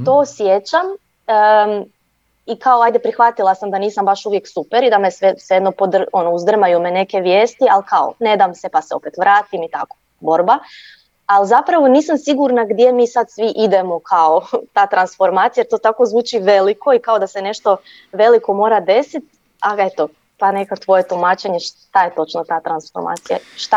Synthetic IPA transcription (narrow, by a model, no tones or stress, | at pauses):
t̪oːsjet͡ɕam | ə | ikao̞ajd̪epɾixʋat̪ilˠasamd̪aniːsambaʃuʋjeksupeɾid̪amesesjed̪nopod̪ro̞nouzd̪r̩majumene̞ke̞ʋjeːst̪ialkao̰ne̞d̪aːmsepaseo̞̰pet̪ʋɾʔaːt̪imit̪a̰ko̥ | bo̞ɾba | alzapɾaʋo̞niːsamsiɡuɾnaɡd̪ʲje̞miːsad̪sʋiʔid̪emo̞kʰao̞t̪aːt̪ɾansfo̞ɾmaːt̪sijajeɾt̪oːt̪ako̞zʋuːt͡ʃiʋe̞likʰo̞ikao̞d̪ase̞ne̞ʃt̪o̞ | ʋe̞liko̞mo̞ːɾad̪e̞sit̪̚ | ae̞t̪o̞ | t̪ane̞kat̪ʋo̞je̞t̪umaːt͡ʃeɲeʃt̪aje̞t̪o̞t͡ʃnot̪aːt̪ɾansfoɾma̰ːt̪sija̰ʃt̪a